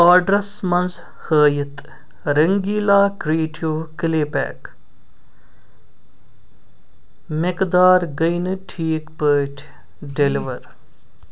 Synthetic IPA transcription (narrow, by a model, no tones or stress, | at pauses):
aːɖɾɐsmɐnz | həːjit̪ | ɾɐŋɡiːlaːkɾeːʈʰjoːkileːpɛ̰ːk | mekd̪aːɾɡɐjnɨʈʰiːkpəːʈʰ | ɖeliʋɐɾ